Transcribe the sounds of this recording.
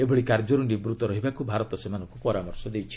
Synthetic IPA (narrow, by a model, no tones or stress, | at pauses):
ebʱɔɽikaɾd͡ʒɔɾunɖibɾut̪ɔɾɔɦibakubʱaɾɔt̪ɔsemanɔ̃ŋkupɔɾamɔɾsɔd̪ejt͡ʃʰi̥